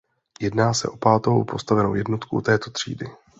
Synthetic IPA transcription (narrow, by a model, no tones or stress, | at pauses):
jɛdnaːsɛʔo̞paːt̪o̞wpʰo̞st̪avɛno̞̰wjɛdno̞t̪kṵt̪ɛːt̪o̞t̪r̝̥ḭːdɪ